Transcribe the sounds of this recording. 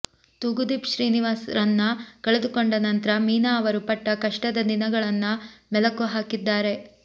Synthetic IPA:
t̪uɡud̪ipʃɾiːniʋaːsɾɐnːɐkɐɭed̪ukoɳɖɐnɐnt̪ɐɾɐmiːnaːɐʋɐɾupɐʈːɐkɐʂʈɐd̪ɐd̪inɐɡɐɭɐnːɐmɛlɐkːuɦaːkid̪ːaːɾe̞

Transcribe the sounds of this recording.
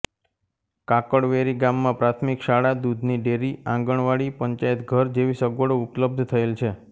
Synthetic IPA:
kakəɽʋeɾiɡamːãpɾat̪ʰmikʃaɽad̪ud̪ʱniɖeɾiãŋɡəɳ̃ʋaɽipəɲt͡ʃaet̪ɡʱəɾd͡ʒeʋisəɡʋəɽoʊpləb̚d̪ʱt̪ʰəelt͡ʃʰe

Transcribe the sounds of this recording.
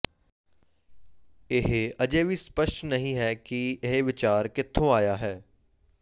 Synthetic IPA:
ɪɦeɐd͡ʒeːbʱispəʃʈnɐɦĩɦɛkiɪɦʋɪt͡ʃaːɾkɪt̪ʰːõaːjaɦɛː

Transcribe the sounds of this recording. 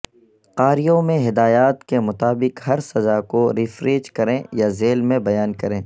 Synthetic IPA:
qaːɾijõmẽɦɪd̪aːjaːt̪kemʊt̪aːbɪqhɐɾsɐzakoɾɪfɾeːd͡ʒkɐɾẽjazeːlmẽbɐjaːnkɐɾẽː

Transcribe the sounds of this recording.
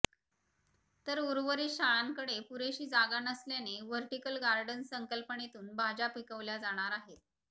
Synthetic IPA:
t̪əɾuɾʋəɾiːɕaɭaŋkəɽepuɾeɕiːd͡zaɡanəsljaneʋəɾʈikəlɡaɾɖənsəŋkəlpənet̪uːnbʱad͡ʑapikəʋljad͡zaɽ̃aɾaɦet̪̚

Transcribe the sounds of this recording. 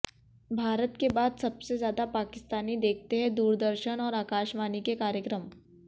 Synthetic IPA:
bʱaːɾət̪kebaːd̪sɐbsezjaːd̪apaːkɪst̪aːnid̪eːk̚ʰt̪eɦɛ̃d̪uːɾd̪əɾʃənɔːɾaːkaːʃmaːnikekaːɾjəkɾəm

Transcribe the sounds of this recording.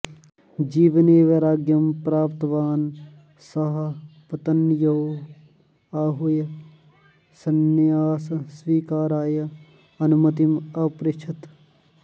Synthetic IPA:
d͡ʒiːʋɐneːʋɐɾaːɡjɐmpɾaːpt̪ɐʋaːn | sɐɦɐpɐt̪ɐnjɐ | aːɦujɐ | sɐnːjaːsɐsʋiːkaːɾaːjɐ | ɐnumɐt̪imɐpɾɪt͡ʃʰɐt̪

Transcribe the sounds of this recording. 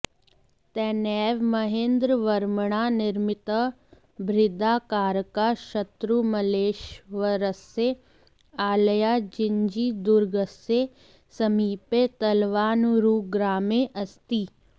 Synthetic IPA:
t̪ɛːnɛːʋmɐɦẽːnd̪ɾəʋɐɾməɽ̃anɪɾmɪt̪ə | bɾɪd̪aːkaːɾkaʃɐt̪ɾumɐleːʃʋəɾəse | aːləjad͡ʒɪɲd͡ʒiːd̪ʊɾɡəse | sɐmiːpet̪ɐlʋaːnuɾuːɡɾaːmeʔɐst̪iː

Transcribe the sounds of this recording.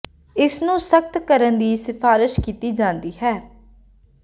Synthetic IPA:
ɪsnũːsək̚t̪kəɾənd̪iːsɪpʰaːɾɪʃkiːt̪iːd͡ʒãːnd̪iːɦɛː

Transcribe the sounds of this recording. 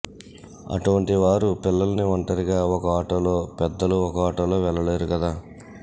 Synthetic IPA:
ɐ̰ʈuʋɐɳʈiʋaːɾupilːɐlɐniɐɳʈɐɾiɡaːɔkɐaːʈɐlo̞ːpɛd̪ːɐluɔkɐaːʈɐloːʋɛɭːɐle̞ːɾukɐd̪aː

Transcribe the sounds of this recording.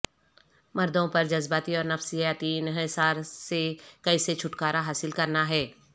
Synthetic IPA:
mɐɾd̪õpɐɾd͡ʒɐzbaːt̪iɔːɾnɐfsɪjaːt̪iɪnɦsaːɾsekɐiset͡ʃʰʊʈkaːɾaɦaːsɪlkɐɾnaɦɛː

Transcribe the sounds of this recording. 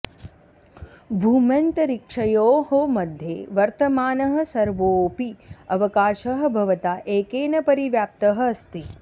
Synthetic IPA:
bʱuːmjɐnt̪ɐɾikʂɐjoːɦomɐd̪ʱjeːʋɐɾt̪ɐmaːnɐɦɐ̆sɐɾʋoːpiɐʋɐkaːʃɐɦɐ̆bʱɐʋɐt̪aːʔeːkeːnɐpɐɾiʋjaːp̚t̪ɐɦɐɐst̪i

